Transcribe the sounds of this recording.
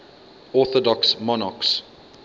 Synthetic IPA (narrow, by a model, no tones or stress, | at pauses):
ɔθɔdɔksmɔnaks